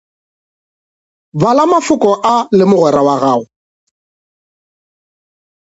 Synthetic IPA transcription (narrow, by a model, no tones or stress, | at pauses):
balamafʊkʼɔʔalɪmʊɣwɛɾawaɣaːʊ